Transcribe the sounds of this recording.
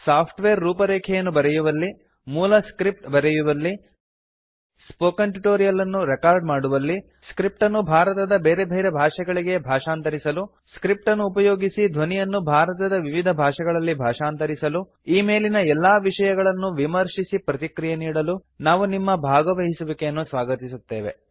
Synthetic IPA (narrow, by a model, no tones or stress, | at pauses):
saːpʰʈʋeːɾːuːpɐɾeːkʰɛjɐnːubɐɾɛjuʋɐlːi | muːlɐskɾip̚ʈbɐɾɛjuʋɐlːi | spoːkɐɳʈiʈoːɾijɐlɐnːuɾɛkaːɾɖmaːɽuʋɐlːi | skɾip̚ʈɐnːubʱaːɾɐt̪ɐd̪ɐbe̞ːɾe̞bʱeːɾebʱaːʂɐɡɐɭiɡe̞bʱaːʂaːnt̪ɐɾisɐlu | skɾip̚ʈɐnːuːpɐjoːɡisid̪ʱʋɐnijɐnːubʱaːɾɐt̪ɐd̪ɐʋiʋid̪ʱɐbʱaːʂɐɡɐɭɐlːibʱaːʂaːnt̪ɐɾisɐlu | iːme̞ːlinɐɛlːaːʋiʂɐjɐɡɐɭɐnːuʋimɐɾʂisipɾɐt̪ikɾijeniːɽɐlu | naːʋunimːɐbʱaːɡɐʋɐɦisuʋikeɐnːusʋaːɡɐt̪isut̪ːe̞ːʋe